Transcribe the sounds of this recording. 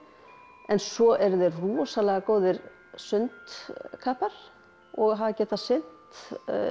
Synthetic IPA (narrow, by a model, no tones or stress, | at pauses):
ɛnsɔʔɛɾðɛruɔsalɛɣakoːwðɪɾ | sʏnt̪kʰaːpaɾ̥ | ɔɣɦavacɛːt̪asɪn̥tt̪